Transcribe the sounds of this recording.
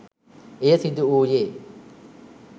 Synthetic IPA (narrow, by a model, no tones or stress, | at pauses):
esid̪uuːje